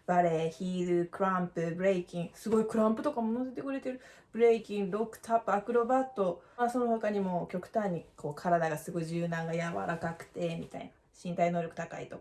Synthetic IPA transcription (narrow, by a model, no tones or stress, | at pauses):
b̥aɾe̞çiːɾɯkɯ̟ɾãmpɯ̟bɯ̟ɾeikʲĩŋsɨɡo̞ikɯ̟ɾãmpɯ̟t̪o̞kamo̞noset̪e̞kɯ̟ɾe̞t̪e̞ɾɯ̟ | b̥ɯ̟ɾeikʲĩŋɾo̞kɯ̟̥t̪ʰapɯakɯ̟ɾo̞bat̪o̞maso̞nohokaɲ̟imo̞kʲo̞kɯ̟̥t̪ãɲ̟ːikʰo̞ːkʰaɾad̪aɡasɨɡo̞iʑɨːd̪ãŋɡajaβa̰ɾakakɯ̟̥t̪e̞mʲit̪a̰ina | ɕĩnt̪ainoːɾʲjo̞kɯ̟t̪akaḭt̪o̞kḁ